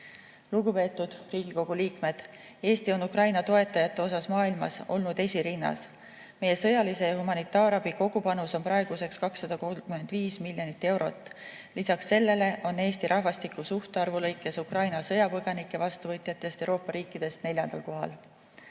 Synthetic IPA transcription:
luɡupe̞ːt̪ːˑud̪̥riːɡ̥iko̞ɡ̥uliːkme̞d̪̥ | e̞ːst̪io̞nukrɑjnɑt̪o̞e̞t̪ːˑɑjɑt̪ˑːe̞o̞sɑsmɑːilmɑ̰so̞lnud̪̥e̞sʲiɾinːɑ̰s | me̞je̞sɤ̞jɑlise̞jɑɦumɑnit̪ːˑɑːɾɑbiko̞ɡ̥upɑnuso̞npɾɑe̞ɡ̥use̞kskɑksːɑd̪̥ɑkolkyme̞nd̪viːsmilʲjo̞nit̪ːˑe̞wɾo̞̰t̪ːˑ | lisɑksːe̞lːe̞le̞ʔo̞nːe̞ːst̪iɾʔɑhvɑst̪ikːusuht̪eɑrvulɤjkːˑe̞sukrɑjnɑsɤ̞jɑpɤɡ̥ɑnikˑːe̞vɑst̪uvɤ̞t̪ˑjɑt̪ːˑest̪ewɾo̞ːpːɑɾiːkːˑid̪̥e̞st̪ne̞lʲjɑnd̪̥ɑlko̞ɦɑ̰l

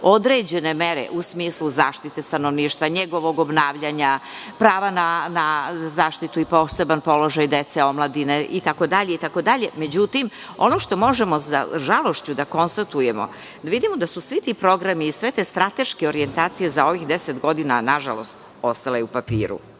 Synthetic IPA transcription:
o̞d̪ɾe̞d͡ʑe̞ne̞me̞ɾḛʔusmiːsluzaːʃt̪it̪e̞st̪ano̞ʋniːʃt̪ʋaɲeɡo̞ʋo̞ɡo̞bnaːʋʎaɲapɾaːʋananazaːʃt̪it̪uipo̞ːse̞banpo̞lo̞ʒajd̪et̪seo̞mlˠad̪ineʔit̪ako̞d̪aʎeit̪ako̞d̪aʎe̞me̞d͡ʑut̪im | o̞no̞ʃt̪o̞mo̞ʒemoza̰ʒalo̞ʃt͡ɕud̪ako̞nst̪at̪uje̞mo̞̰ | d̪aʋid̪imo̞d̪asusʋit̪ipɾo̞ɡɾamiːsʋe̞t̪est̪ɾat̪e̞ʃkeo̞ɾie̞nt̪aːt̪sijezaoʋixd̪eset̪ɡo̞d̪ina̰naʒa̰lo̞̰st̪ | o̞st̪alajeupapḭːɾṵ

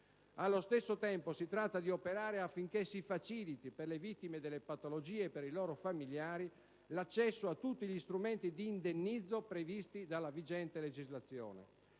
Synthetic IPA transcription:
alːost̪esːot̪ɛmposit̪ɾat̪ːad̪iopeɾaːɾeafːiŋk̟esifat͡ʃilit̪iperlevit̪ːimed̪ɛlːepat̪olod͡ʒiːeːpːeɾilɔːɾofamiljaːɾi | lat͡ʃːɛsːoat̪ːut̪ːiʎist̪ɾument̪id̪iːnd̪enːid̪zːopɾevist̪id̪alːavid͡ʒɛnt̪eled͡ʒizlat̪sːjɔ̰ːnḛ

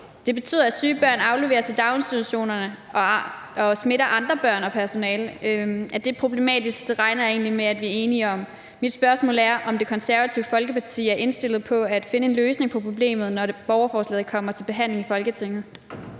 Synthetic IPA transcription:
d̥e̝b̥e̝t͡sʰy̰ð̰ˠɐæ̥syːb̥ɶɐ̰nɑ̈ʊleʋe̝ːɐsʰed̥ɑ̈ʊnsd̥id̥uɕo̝̰ːnɐnəʔɒ̽ | ɒ̽sme̝ɾɐʔɑ̈nd̥ʁɐb̥ɶɐ̰nɒ̽pʰæɐso̝nɛːlʔæd̥e̝pʰʁo̝b̥le̝mɛ̰ːd̥isɡ̥d̥e̝ʁɑ̈ɪnɐe̝̰ːnlimeæd̥ʋiæɐe̝ːniɒ̽m | mid̥sb̥ɶɐsmɔ̰̽ːlæɐʔɒ̽mde̝kʰɒ̽nsæɐʋæt͡sʰiʊfɒ̽lɡ̥əpʰɑ̈t͡sʰḭːæɐʔe̝nsd̥e̝lð̞̩ˠpʰɒ̽æd̥fe̝nəe̝nløːsne̝ŋpʰɒ̽pʰʁo̝b̥le̝̰ːmð̞̩ˠnɒɾeb̥ɒʊɐfɒːslɛːð̩ˠkʰɒ̽m̰ɐt͡sʰe̝lb̥e̝ɦæn̰le̝ŋifɒ̽lɡ̥ət͡sʰe̝ŋ̰ð̞̩ˠ

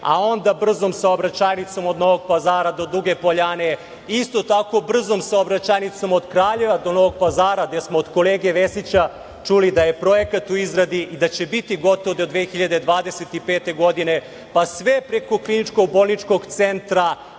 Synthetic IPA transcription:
a̰o̞nd̪abr̩zo̞msaobɾat͡ɕaːjnit̪so̞mo̞d̪no̞ʋoɡ̚pazaːɾad̪o̞d̪ɾuɡe̞po̞ʎane | ist̪o̞t̪ako̞br̩zo̞msaobɾat͡ɕajnit̪somod̪kɾaːʎe̞ʋad̪o̞no̞ʋo̞ɡ̚pazaːɾaɡd̪esmoːd̪ko̞leːɡieʋesit͡ɕa | t͡ʂulid̪aje̞pɾo̞jekat̪uizɾad̪iid̪at͡ɕebit̪iɡo̞t̪oʋod̪od̪ʋeːxiʎad̪e̞d̪ʋaːd̪eset̪ipeːt̪e̞ɡo̞d̪ine̞ | pasʋepɾeko̞klinit͡ʂkoɡ̚bo̞lˠnit͡ʂko̞ɡt̪sent̪ɾa

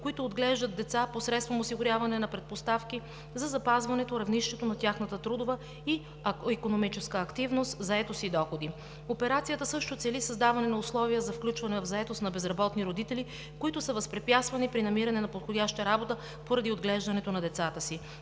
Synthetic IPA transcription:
koit̪ʊːd̪ɡlɛʒd̪əd̪̚d̪ɛt̪saposɾɛt̪st̪vomosiɡʊɾʲjavɐnɛnɐpɾɛt̪̚post̪afk̟i | zɐzɐpazvɐnɛt̪oɾɐvniʃt̪ɛt̪onɐt̪ʲjaxnət̪ət̪ɾud̪ovə | i | ikonomit͡ʃɛskəːkt̪ivnost̪zɐɛt̪osid̪ɔxod̪i | opɛɾat̪sijət̪əsɤʃt̪ot̪sɛlisɐzd̪avɐnɛnɐʊslˠɔviəzɐfklʲut͡ʃvɐnɛvɐvzɐɛt̪osnɐbɛzɾɐbɔt̪niɾod̪it̪ɛli | koit̪ʊsəvɐspɾɛpjast̪vɐnipɾinɐmiɾɐnɛnɐpot̪xodʲjaʃt̪əɾabot̪ə | poɾɐd̪iod̪ɡlɛʒd̪ɐnɛt̪onɐd̪ɛt̪sat̪əsi

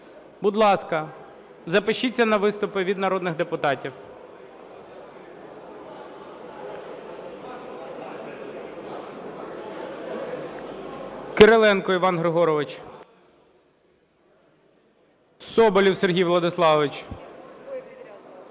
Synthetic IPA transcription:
bʊd̪lˠɑskɐ | zɐpɪʃit͡sʲːɐnɐʋɪst̪ʊpɪʋʲid̪nɐɾɔd̪nɪxd̪epʊt̪ɑtʲiw | kɪɾelˠɛnkɔiʋɑnɦɾɪɦɔɾɔʋɪt͡ʃ | sɔbɔlʲiwserɦʲijʋlˠɐd̪ɪslˠɑʋɪt͡ʃ

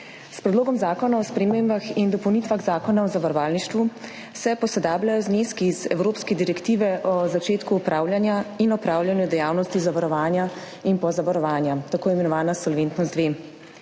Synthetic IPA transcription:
spɾɛd̪loːɡɔmzaːkɔnaɔspɾɛmembaxind̪ɔpɔwnit̪ʋaɣzaːkɔnaɔzaʋaɾɔʋaːlniʃt̪ʋu | sɛpɔsɛd̪aːblajɔzneskiːzɛ̰wɾoːpskɛd̪iɾɛkt̪iːʋɛʔɔzat͡ʃeːt̪kuːpɾaːwljanjainɔpɾaːwljanjud̪ɛjaːwnɔst̪izaʋaɾɔʋaːnja | inpɔzaʋaɾɔʋaːnjat̪akoːjɛmɛnɔʋaːnasɔlʋent̪nɔzd̪ʋeː

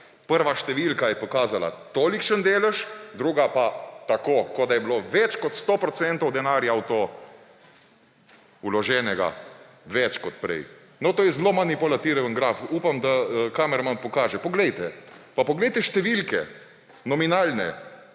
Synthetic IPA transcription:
pəɾʋaʃt̪ɛʋilkajɛpɔkaːzala̰t̪oːlikʃənd̪eːlɛʃd̪ɾuːɡapat̪akoːkod̪ajɛbloʋɛt͡ʃkɔt̪st̪opɾɔt̪sɛnt̪ɔwd̪ɛnaːɾjawt̪o | ulɔʒɛːnɛɡa̰ | ʋɛt͡ʃkɔt̪̚pɾɛ̰j | nɔt̪oːjɛzlomanipɔlat̪iɾʋənɡɾaːfupamd̪akaːmɛɾmanpɔkaːʒɛpɔɡlɛjt̪ɛpapɔɡlɛjt̪ɛʃt̪ɛʋilkɛ̰ | nɔminaːlnɛ̰

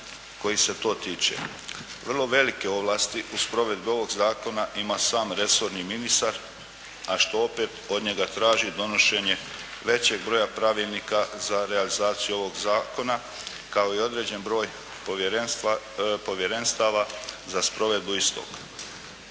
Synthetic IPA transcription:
ko̞jise̞t̪o̞ːt̪iːt͡ʃḛ | ʋr̩lˠo̞ʋe̞like̞o̞ʋlˠast̪iʔuspɾo̞ʋe̞d̪̚bio̞ʋo̞ɡzaːko̞naʔimasaːmɾe̞so̞ɾniminist̪aɾ | aʃt̪o̞opeːt̪o̞d̪ɲe̞ɡat̪ɾaːʒid̪o̞no̞ʃe̞ɲe̞ | ʋe̞t͡ɕe̞ɡbɾo̞ːjapɾaʋiːlˠnikazaɾealizaːt̪sijuo̞ʋo̞ɡzaːko̞na | kao̞io̞d̪ɾe̞ːd͡ʑe̞nbɾo̞ːj | po̞ʋje̞ɾenst̪aʋazaspɾo̞ʋe̞d̪buist̪o̰k

